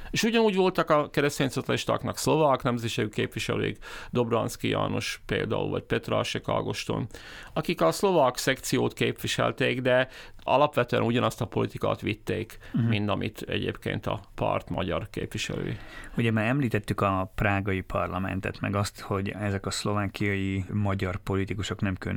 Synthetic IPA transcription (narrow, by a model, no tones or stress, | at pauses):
eːʃuɟɒnuːɟʋo̞lt̪ɒkɒkɛɾɛst̪eːɲsot̪ːɒiʃt̪ɑ̰knɒkslo̞vaknɛmzɛʃeɡykeːpʋiʃɛlø̰ːiɡd̪o̞brɒnt̪skija̰ːnoʃpeːld̪a̰ːṵlvɒc̚pɛt̪ra̰ʃɛkɒ̰lɡoʃt̪o̰nɒkikɒslo̞vɑksɛkt̪sijoːt̪keːpʋiʃɛ̰lt̪eːɡd̪ɛɒlɒpʋɛt̪øɛ̰nuɟɒnɒst̪ɒpo̞lit̪ika̰ːt̪ʋit̪ːeːkmmind̪ɒmʔit̪ɛ̰ɟeːpkḛːnt̪ɒpɒ̰rt̪mɒɟɒrkeːpʋiʃɛ̰lø̰ːjiuɟɛbaɾɛmliːt̪ɛt̪ːykɒpraːɡɒipʰɒrlɒmɛ̰nt̪ɛ̰t̪mɛɡɒst̪ho̞ɟɛzɛkɒslo̞vaːkijɒjimɒɟɒrpo̞lit̪ikuʃo̞knɛmkøn